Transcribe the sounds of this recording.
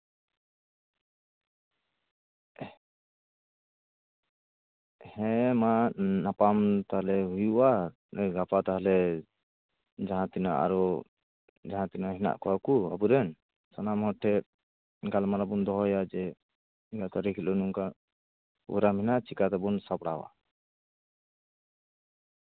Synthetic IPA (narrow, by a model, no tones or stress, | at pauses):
hɛ̃manapamt̪aɦalɛɦujuʔa | ɡapat̪aɦalɛ | d͡ʒaɦãt̪ina̰ʔa̰ɾɔ | d͡ʒaɦãt̪inaɦɛna̰ʔkʰɔwakua̰buɾɛn | sanamhɔʈʰːɛ | ɡalmaɾabund̪ɔɦɔjad͡ʒɛ | ɡat̪aɾikʰilɔnuŋka | wɛ̰ɾamɛnat͡ʃikat̪ɛbɔnsapɽawa̰